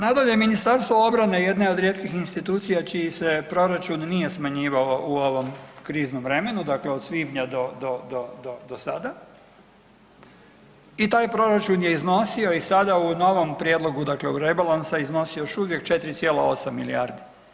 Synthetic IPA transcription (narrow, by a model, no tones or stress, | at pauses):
nad̪oleminist̪aɾst̪ʋoo̞bɾane̞je̞d̪neo̞d̪ɾʲje̞t̪kixinst̪it̪uːt̪sijat͡ʃijise̞pɾo̞ɾat͡ʃunːije̞smaɲiːʋaoʔuo̞ʋo̞mkɾiːznomʋɾe̞me̞nud̪akleo̞d̪sʋibɲad̪o̞d̪od̪od̪od̪osad̪a | it̪aːjpɾo̞ɾat͡ʃunje̞izno̞sio̞isad̪auno̞ʋo̞mpɾjed̪lo̞ɡud̪akleuɾebalansaizno̞sijojoʃuʋje̞kt͡ʃe̞t̪ɾit̪sjeːla̰o̞samːilḭaːɾd̪i̥